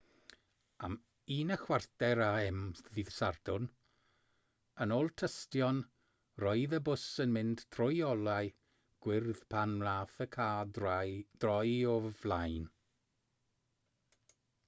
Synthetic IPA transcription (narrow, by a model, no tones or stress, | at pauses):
am | iːnəxwardɛɾaɛmðiðsardʊn | ənoːlˠtʰəstjɔn | rɔɨðəbʊsənmɪnd̥tʰrɔjɔlˠaɨ | ɡ̥wɪrðpʰanlaːθəkʰaː | d̥rɔjɔvlajn